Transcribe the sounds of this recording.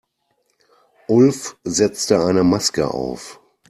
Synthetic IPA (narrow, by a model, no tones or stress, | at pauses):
ʔʊlfzɛt͡stəaɪnəmaskə̰ʔa̰ʊf